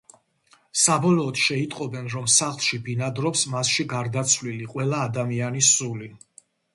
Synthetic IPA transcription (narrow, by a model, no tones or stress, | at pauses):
sabɔlˠɔːd̪̥ʃɛit̪ʼqʼɔbɛnɾɔmsaχlˠʃibinad̪ɾɔpsmasʃiɡaɾd̪at̪sʰvliliqʼwɛlˠaːd̪amianisuli